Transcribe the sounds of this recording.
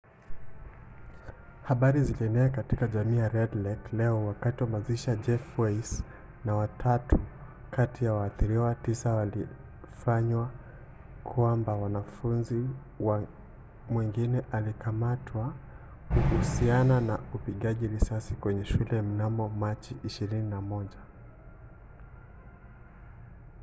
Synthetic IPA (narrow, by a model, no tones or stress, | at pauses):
haɓaɾiziliɛnɛakatikaʄamiːjaɾɛdlɛklɛɔwakatiwamaziʃaʄɛfɛs | nawatʰatʰu | kʰatijawaːθiɾiwatisawali | faɲwa | kʰwambawanafunzi | wa | mwiŋɡinɛʔalikʰamatʰwa | kuhusiananaupiɠaʄiɾisasikwɛɲɛʃulɛm̩namɔmat͡ʃiʔiʃiɾininamɔʄa